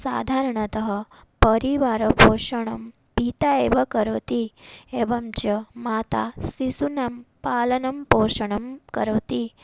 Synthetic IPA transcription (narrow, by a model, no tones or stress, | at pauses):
sa̰ːd̪ʱaːɾɐɳɐt̪ɐɦɐ | pɐɾiʋaːɾɐpoːʃɐɳɐm | pit̪aeːʋɐkɐɾɐt̪ieʋɐmt͡ʃɐmaːt̪a̰sisunɐmpaːlɐnɐmpoːʃɐɳɐmkɐɾɐʋt̪i